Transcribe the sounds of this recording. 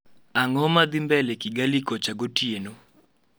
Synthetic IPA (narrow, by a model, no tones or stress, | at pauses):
aŋɔmad̪ɪmbɛlekiɡalikot͡ʃaɡotjeno